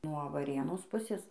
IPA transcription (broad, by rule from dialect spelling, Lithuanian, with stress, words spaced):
nuɔ ʋɐˈrʲeːnoːs ˈpʊsʲeːs